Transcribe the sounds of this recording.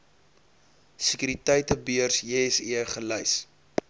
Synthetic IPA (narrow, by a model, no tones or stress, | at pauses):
sikyɾitɐjtəbiərsesiəχələjs